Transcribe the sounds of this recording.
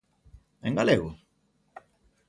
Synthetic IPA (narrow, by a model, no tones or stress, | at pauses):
eŋɡaleɣu